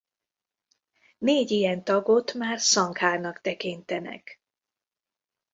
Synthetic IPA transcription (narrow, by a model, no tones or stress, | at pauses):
neːɟijɛnt̪ɒɡot̪maːrsɒŋkhaːrnɒkt̪ɛkint̪ɛnɛ̰k